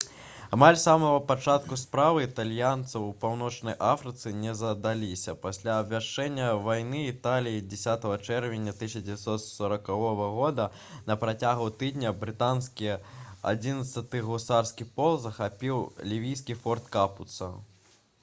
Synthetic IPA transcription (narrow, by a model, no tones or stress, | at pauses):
amalʲsamɐɣɐpat͡ʂat̪kuspɾavɨit̪alʲjant̪sɐwpawnɔt͡ʂnɐjʔafɾɨt̪sɨnʲɛzɐd̪alʲisʲɐpasʲlʲaːbvʲaʂt͡ʂɛnʲːɐvajnɨːt̪alʲijid͡zʲɛsʲat̪ɐɣɐt͡ʂɛrvʲɛnʲːɐt̪ɨɕʲɐd͡zʲɪvʲat̪sɔt̪sɐɾɐkavɔvɐɣɔd̪ɐ | nɐpɾat͡sʲaɣut̪ɨd̪ʲnʲɐbɾɨt̪anskʲia̰d͡zʲinɐt̪sɐt̪ɨɣusarskʲipɔlˠzɐxapʲiwlʲivʲijs̬ʲkʲifɔrt̪kaput̪sɐ